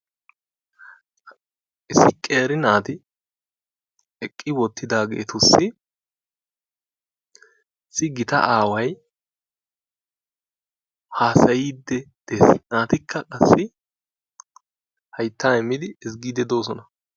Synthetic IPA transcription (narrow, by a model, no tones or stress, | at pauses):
ʔɪsːɪkʼeːɾɪnaːt̪ɪ | ɛkʼːɪwɔt̪ʰːɪd̪aːɡe̞̰ːt̪ʰʊsːɪ | ɪsːɪɡɪt̪ɐ̰ʔaːwɐj | haːsɐjiːd̪ːɛd̪̥esnaːt̪ɪkʰːɐkʼɐsːɪ | hɐjt̪ːaːɛmːɪd̪ɪɪs̬ɡiːd̪ɛd̪o̞ːs̬ɔnɐ